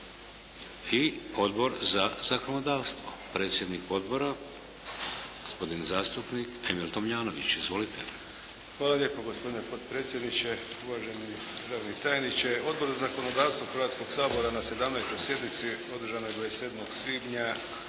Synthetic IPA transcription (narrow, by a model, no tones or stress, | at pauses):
io̞d̪bo̞ɾzaz̥akonod̪aːʋst̪ʋo̞pɾe̞ːt̪sje̞d̪niko̞d̪bo̞ɾa | ɡ̥ospo̞d̪inzaːst̪upnikemilt̪omjaːnoʋit͡ɕizʋo̞lit̪ʰe | xʋaːlˠalʎe̞ːpoɡospo̞d̪inepo̞t̪pɾeːt̪sjed̪nit͡ʃeuʋaʒenid̪ɾaʋnit̪ajenit͡ʃeo̞d̪̚bo̞ɾzazako̞nod̪aːʋst̪voxɾr̩ʋat̪sko̞ɡsaːbo̞ɾanase̞d̪amnɛjst̪o̞jsje̞d̪nit̪sio̞d̪ɾ̩ʒanojɡojeseːd̪moɡsʋiːb̪ɲa